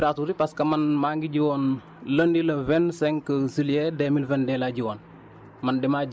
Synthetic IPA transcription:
ɾatuɾipɐskɐmɐnmaːŋɡiɟiwɔːn | lɐndilɐvɛnsɛŋkɐziljɛdɛmilvɛndɛːlaɟiwoːn | mɐndɛma

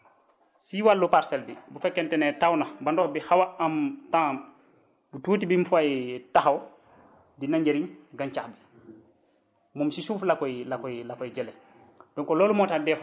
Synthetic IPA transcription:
siwalːupaɾsɛldibufɛkːɛntɛnɛtawnabandɔhbihawaamtãː | butuːtibimfajtaxaw | dinaɲɟeɾinɡant͡ʃaxbi | mumsisuːflakɔjlakɔjlakɔjɟɛlɛ | d̥ɔŋkɔloːlumɔtadɛf

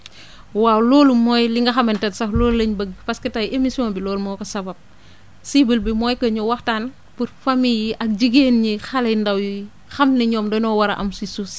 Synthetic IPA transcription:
waːwlɔːlumɔːjliŋɡɐxɐmɐntɛtsɐxloːllɐɲbəɡpɐskɐtajʔemisiɔnbilɔːlmɔkɐsɐbɐb̚ | sibilbimɔːjkɐɲɔwɐxtaːn | puɾfamiliʔɐk̚d͡ʒiɡeːnɲixɐlɛjndɐwji | xɐmniɲɔːmdɔnɔwɐɾɐʔɐmsisus

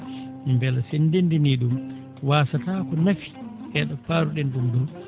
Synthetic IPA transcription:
mbɛlasendendiniɗum | waːsataːkɔnafi̥ʔɛɗɔpaːɾuɗɛnɗumdɔw

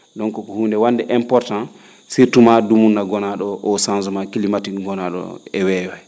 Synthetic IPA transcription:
dɔŋkɔkɔhuːndɛwandɛʔɛmpɔɾtãn | siɾtumadumunːaɡɔnaɗɔʔɔsansumakilimatikɡɔnaɗɔ̰ɛwɛwɛ

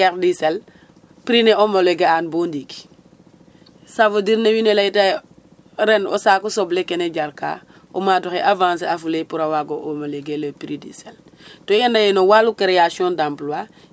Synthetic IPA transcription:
eɾdisel | piɾineomoleɡeanbondiki̥ | savodiɾnewinelaita | ɾeno̰saːkusoblekeneɟaɾka̰ | o̰madoxeʔavãːns̬eafulepuɾawaɡoʔomoleɡeləpiɾidḭsel | toandajenowalukeɾejasiõndamplwa

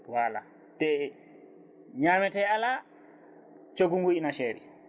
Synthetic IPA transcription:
waːla̰ | tɛ | ɲamɛtɛala | t͡ʃoɡuŋɡuinaʃɛɾḭ

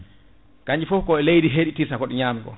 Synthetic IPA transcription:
kaɲd͡ʒifɔfkɔɛlejdiɦeɗitiɾsakɔɗiɲaːmɡɔ̰

